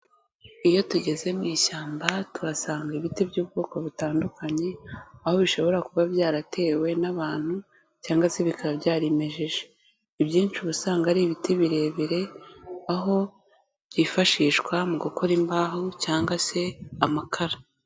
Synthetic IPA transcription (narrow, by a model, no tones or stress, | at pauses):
ijo̞tuɟe̞zemiːʃaːmbatuɾasaːŋɡaiβitibjuːb̚ɡoːko̞βitaːndukaɲe̞aho̞βiʃo̞βo̞ɾakuβaβjaːɾatʰe̞ːwe̞naβaːn̥hu | caːŋɡwase̞βikaβabjaːɾeme̞ʒeʒe | iβjiːnt͡ʃiβusaːŋɡaɾiβitiβiɾe̞ːβiɾe̞aɦo̞ | bɟifaʃiːʃkwamuɡokʰo̞ɾimbaːɦocaːŋɡase̞amakʰaɾa